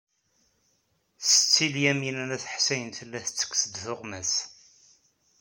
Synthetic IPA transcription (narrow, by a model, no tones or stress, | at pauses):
sə̥t͡sːiljæminænæθəħsæjənt̪əlːæθə̥t͡sːə̥kːsəd̪θʊʁmæs